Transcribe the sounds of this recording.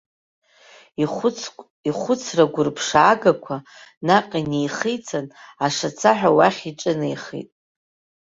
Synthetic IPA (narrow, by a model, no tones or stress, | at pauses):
iχʷʊt͡sʰraɡʷʊrpʰʂaːɡakʷʰa | naqʼanejχijt͡sʰanaʂat͡sʰaħʷᶣawaχʲiʈ͡ʂʼɨnajχḭtʼ